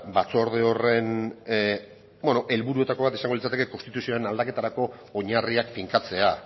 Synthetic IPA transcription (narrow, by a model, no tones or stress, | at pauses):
bat͡so̞ɾðeo̞re̞n | benoʔe̞lβuɾue̞t̪ako̞βat̪isaŋɡlit͡sat̪eke̞konst̪it̪usioenald̪ake̞t̪aɾako̞ːɲariakfiŋkat͡se̞a